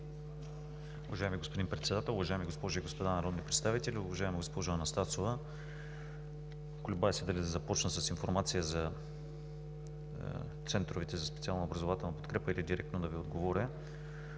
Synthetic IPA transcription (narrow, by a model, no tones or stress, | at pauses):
uvɐʒaɛmiɡospod̪inpɾɛt̪sɛd̪at̪ɛəlˠʊvɐʒajɛmiɡospɔʒʊiɡospod̪anɐɾɔd̪nipɾɛt̪st̪avit̪ɛlʲiʊvɐʒaɛmiɡospɔʒʊɐnɐst̪asovə | klʲʊbaɛsɛd̪ɐlɛd̪ɐzɐpɔt͡ʃnəsɐsinfoɾmat̪sijəzɐ | t̪sɛnt̪ɾovit̪ɛzɐspɛt̪sialˠnobɾɐzovat̪ɛlˠnɐpot̪kɾɛpəilid̪iɾɛkt̪nod̪ɐviod̪ɡovɔɾʲə